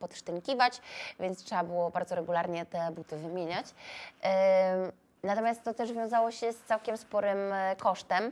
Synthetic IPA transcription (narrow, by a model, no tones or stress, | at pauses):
pɔt̪ʂt̪ɘŋkʲivat͡ɕvʲjɛ̃nt̪tʂɛbabɘwɔbaɾd̪zɔɾɛɡulaɾɲɛt̪ɛbut̪ɘvɘmʲjeɲat͡ɕ | nat̪ɔmʲjast̪ːɔt̪ɛʐvjɔ̃w̃zawɔɕɛst̪sawkʲɛmspɔɾɘmkɔʂt̪ɛm